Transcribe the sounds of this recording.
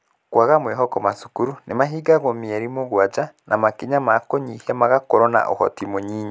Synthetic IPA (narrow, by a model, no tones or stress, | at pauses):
kwaɣamweɦɔkɔmasu̥kuɾunemaɦiːɡaɣomiɛɾimoɣwad͡ʒanamakiɲamakoɲihamaɣakoɾona̰ʔo̰hɔ̰timoɲiːɲa